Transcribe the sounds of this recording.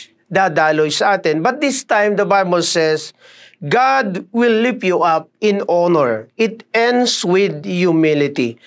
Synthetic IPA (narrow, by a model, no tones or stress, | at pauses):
d̪ad̪alojsɐʔaːt̪ɛ̃nbɐt̪̚d̪ɪst̪ãjmd̪ɐbajbɔlsɛs | ɡad̪wɪlːipjuʔap̚ɪ̃nɔnɛɹʔɪt̪ɛ̃nd̪swɪd̪̚jumɪlɪt̪i